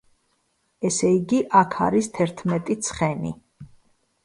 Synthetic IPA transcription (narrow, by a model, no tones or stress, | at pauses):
ɛsɛiɡiʔakʰa̰ɾist̪ʰɛɾt̪ʰmɛt̪ʼit̪sʰχɛnḭ